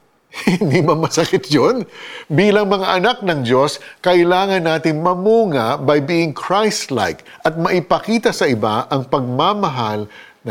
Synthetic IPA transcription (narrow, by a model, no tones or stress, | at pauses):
hɪnd̪imɐŋmɐsɐkɪt̪̚jonbiːlɐŋmɐŋaʔɐnak̚nɐŋd͡ʒo̞skɐʔɪlaːŋɐnːaːt̪ɪŋmɐmuːŋabɐjbiʔɪŋkʰɹajst̪la̰jk | ʔɐt̪̚mɐʔɪpɐkiːt̪ɐsɐʔɪba̰ʔɐŋpɐɡ̚mamɐɦal | nɐ